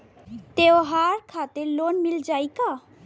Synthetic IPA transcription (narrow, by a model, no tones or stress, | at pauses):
t̪eoɦaɾkʰat̪elonmild͡ʒajka